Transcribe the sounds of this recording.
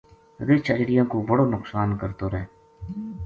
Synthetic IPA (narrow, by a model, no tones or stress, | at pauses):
ɾet͡ʃʰəd͡ʒɽɪjãːkobəɽoːnʊqsaːnkəɾt̪oːɾɛː